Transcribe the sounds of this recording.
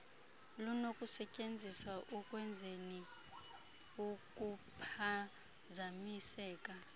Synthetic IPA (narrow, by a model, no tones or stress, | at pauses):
lunokʼusɛcʼend͡zʱiswaʔukʼwɛnd͡zʱeni | ukʼupʰa | zamisɛːkʼa